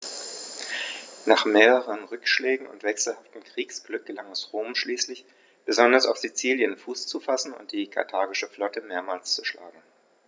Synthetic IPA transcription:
naːχmeːʁəʁʁənʁʏkʃlɛːɡŋ̩ʊ̰ntv̥ɛksl̩haftn̩kʁ̥iːksɡ̥lʏk̚ɡ̥əlaŋɛsʁoːmʃliːslɪç | b̥əzɔndɐsaʊfz̥it͡siːljənfuːst͡sufasn̩ʊ̰nt̚d̥iːkʰa̰ɐtʰaːɐɡɪʃəflɔtəmeːɐmaːlst͡su̥ʃla̰ːɡŋ̩

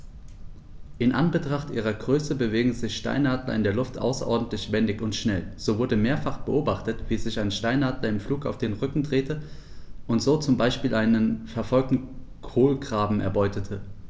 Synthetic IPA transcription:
ʔɪnʔa̰nbətʁ̥aχtʔiːʁ̞ɐɡʁøːsəbəveːɡŋ̩zɪçʃta̰ɪnhaːdlɐ̰ɪndeːɐlʊftʔa̰ʊsɐʔɔɐdn̩tlɪçv̥ɛndɪçʊntʃnɛlz̥oːvʊɐdəmeːɐfaχb̥əʔoːbaχtətv̥iːzɪçaɪnʃtaɪnaːdlɐɪmfluːka̰ʊfd̥eːnʁʏkŋ̩dʁeːtə | ʔʊntz̥oːt͡sʊmbaɪʃpiːlʔaɪnənfɛɐfɔlk̚tn̩ | kʰoːlɡʁaːbm̩ɛ̰ɐbɔʏtʰətʰə

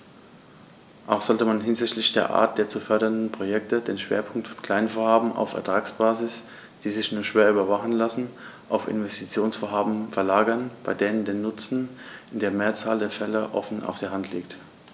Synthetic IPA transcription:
ʔaʊxz̥ɔltəmanɦɪnzɪçtlɪçd̥eːɐʔa̰ːɐt̚d̥eːɐt͡sufœɐɾɐndn̩pʁ̥ojɛk̚tədeːnʃv̥ḛːɐpʰʊŋktfɔ̥nkʰl̥aɪnfoːɐhaːbm̩ʔa̰ʊfɛɐtʁ̥aːksb̥aːzɪs | d̥iːzɪçnuːɐʃv̥eːɐʔyːbɐvaχn̩lasn̩ | ʔaʊfɪ̰nvɛstʰit͡sjoːnsfoːɐɦaːbm̩fɛɐlaːɡɐnb̥aɪdeːnəndeːnːʊt͡sn̩ʔɪndeːɐmeːɐt͡saːldeːɐfɛləʔɔ̰fn̩ʔa̰ʊfd̥eːɐɦantʰlḭːk̚t

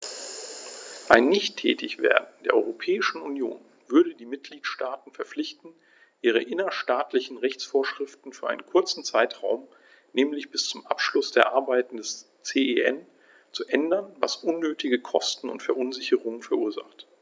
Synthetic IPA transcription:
ʔaɪnːɪçtʰɛ̰ːtɪçv̥ḛːɐdn̩d̥eːɐʔɔ̰ʏʁopʰɛːɪʃn̩unjo̰ːn | v̥ʏɐɾədiːmɪt̚ɡ̥liːtʃtaːtn̩fɛɐflɪçtn̩ | ʔiːʁ̞əʔɪnɐʃtaːtlɪçn̩ʁɛçt͡sfoːɐʃʁ̥ɪftn̩fyːɐʔaɪnənkʰʊɐt͡sn̩t͡saɪtʁ̥aʊm | nɛːmlɪçb̥ɪst͡sʊmʔapʃlʊsd̥eːɐʔaɐbaɪtn̩dɛs | t͡seːeʔɛn | t͡suʔɛndɐnva̰sʔʊnːøːtʰɪɡəkʰɔstn̩ʊ̰ntfɛɐʔʊnzɪçəʁʊŋənfɛɐʔuːɐza̰χt

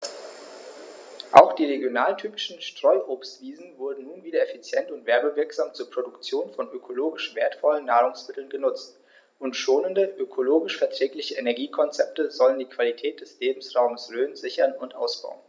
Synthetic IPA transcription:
ʔa̰ʊxd̥iːʁeɡjonaːltʰyːpɪʃn̩ʃtʁ̥ɔʏʔoːpstv̥iːzn̩vʊɐdn̩nuːnviːdɐefit͡sjɛntʊntv̥ɛɐbəvɪɐkz̥aːmt͡suːɐpʁ̥odʊkt͡sjoːnfɔnʔøkʰoloːɡɪʃv̥eːɐtfɔlənːaːʁʊŋsmɪtl̩nɡənʊt͡st | ʔʊntʃoːnəndəʔøkʰoloːɡɪʃfɛɐtʁ̥ɛːklɪçəʔenɛɐɡiːkʰɔnt͡sɛp̚təzɔləndiːkv̥alitʰɛːt̚d̥ɛsleːbm̩sʁaʊməsløːnzɪçɐnʊntʔa̰ʊsb̥a̰ʊən

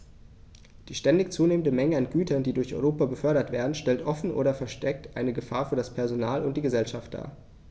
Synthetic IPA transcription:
d̥iːʃtɛndɪçt͡suːneːmən̩dəmɛŋəanɡ̥yːtʰɐndiːdʊɐçʔɔ̰ʏʁoːpabəfœɐɾɐtv̥eːɐdn̩ʃtɛltʔɔfn̩ʔo̰ːɾɐfɛɐʃtɛk̚tʔaɪnəɡəfaːɐfyːɐdaspʰɛɐzonaːlʊnt̚d̥iːɡəzɛlʃaft̚d̥a̰ː

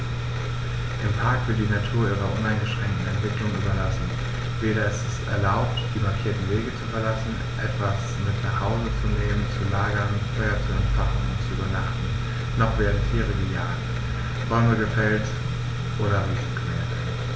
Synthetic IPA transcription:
ʔɪmpʰaɐkv̥ɪɐt̚d̥iːnatʰuːɐʔiːʁɐʔʊnaɪnɡəʃʁ̥ɛŋk̚tn̩ɛntv̥ɪklʊŋyːbɐlasn̩ | veːɾɐɛstɛstɛ̰ɐlaʊp̚td̥iːmaɐkʰiːɐtn̩veːɡət͡sufɛɐlasn̩ | ʔɛtv̥as | mɪtnaχhaʊzət͡suneːmənt͡sulaːɡɐnfɔʏɐt͡suɛntfaχn̩ʊ̰ntsuybɐnaχtn̩ | nɔχveːdn̩tʰiːʁəɡəja̰ːd | b̥ɔməɡəfɛlt | ʔoːɾɐʁiːz̩ɡmḛːɐt

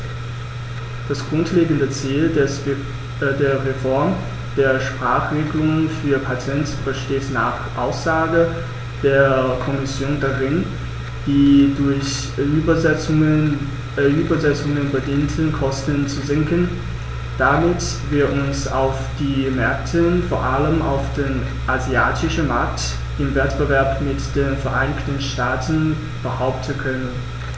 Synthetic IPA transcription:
d̥asɡ̥ʁʊntʰleːɡn̩dət͡siːl | deːɐʁefɔɐm | d̥eːɐʃpʁ̥aːχʁ̥eːɡəlʊŋənfyːɐpʰatʰɛntb̥əʃteːtna̰χʔaʊsz̥aːɡə | d̥eːɐkʰɔmɪsjoːndaʁɪn | d̥iːdʊɐç | bɐə | ʔyːbɐzɛt͡sʊŋənbədiːntʰənkʰɔstənt͡suzɪŋkən | d̥amɪt | viːɐʔʊnsa̰ʊfd̥iːmɛɐktʰəfoːɐʔaləmʔa̰ʊfd̥eːn | ʔaziaːtʰɪʃəmaɐkt | ʔɪmvɛtb̥əvɛɐpmɪtd̥eːnfɛɐʔaɪnɪçtən̩ʃtaːtn̩ | b̥əhaʊp̚tʰən̩kʰœnən

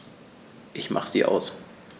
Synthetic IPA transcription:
ʔɪçmʔa̰χəz̥ḭːʔa̰ʊs

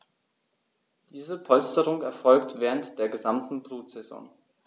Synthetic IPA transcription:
d̥iːzəpʰɔlstəʁʊŋɛɐfɔlktv̥ɛːʁəntd̥eːɐɡəzamtn̩bʁuːtz̥ɛzɔ̰ŋ

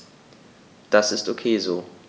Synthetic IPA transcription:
d̥asɪstʔokʰeːzoː

